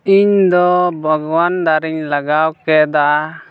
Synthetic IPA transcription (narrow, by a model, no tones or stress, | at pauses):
iɲd̪ɔbʱəɡwand̪aɾiɲlaɡawkɛd̪a